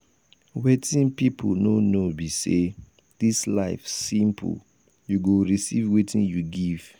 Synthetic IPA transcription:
wetĩnpipʰononobise | d̥islaɪfsĩmpʰṵ | juɡoɹisivwetʰĩnjuɡiv̥

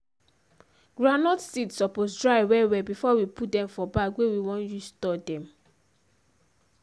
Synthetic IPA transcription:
ɡ̥ɹanɔtsidsɔposdɹaɪwɛwɛbifɔwiput̚dɛ̃mfɔbakwewiwɔ̃njustɔdɛ̃m

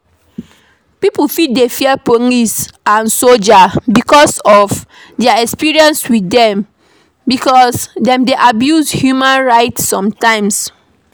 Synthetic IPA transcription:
pipufidefiɛpoŋisãnsold͡ʒabikɔsɔf | dɛaɛkspiɹiɛ̃nswidɛ̃m | bikɔsdɛ̃mdeʔabjushjumãnɹaɪtssːɔ̃mtãɪ̃ms

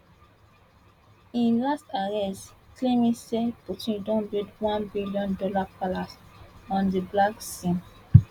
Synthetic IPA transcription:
ĩnlastɛɹiasklẽmĩsɛtotĩdɔ̃ndedwãnbiliɔ̃ndɔlapalasɔ̃ndiblaksĩm

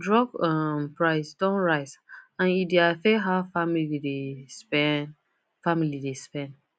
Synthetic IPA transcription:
dɹɔkɔmpɹaɪsdɔ̃nɹaɪzãnideafɛɦaʊfamilidespɛ | familidespɛ̃nd

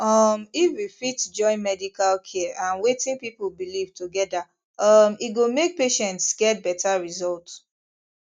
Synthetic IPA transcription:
ʌmifwifitd͡ʒɔ̃ɪ̃nmɛdikalkʰɛʔãnwetĩnpipulbilivtoɡɛda | ʌmiɡomek̚peʃɛ̃ntsɡ̥ɛt̚bɛtaɹizɔlt

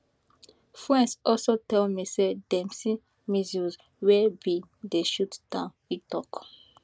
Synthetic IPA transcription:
fɹɛ̃nsɔlsotɛlmisedɛ̃msĩ | miziz | wɛbideʃuttãnitɔk

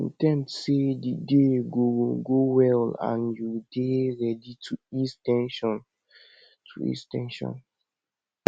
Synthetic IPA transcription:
ḭ̃tɛ̃mtsedideɡoɡowɛlã̰njudeɹɛditʰuistɛ̃nʃɔ̃n | tʰuḭstɛ̰̃nʃɔ̰̃n

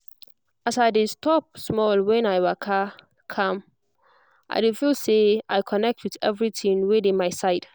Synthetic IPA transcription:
asaɪdestʰɔp̚smɔlwɛ̃naɪwakʰa | kʰãm | ʔa̰ɪdifilseaɪkʰɔnɛk̚tʰwiðɛ̰vɹiθĩnwedẽmaɪsaɪd̥

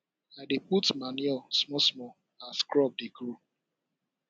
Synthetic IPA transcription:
aɪdeputmanjɔsmɔsmɔ | askɾɔb̚dekɾu

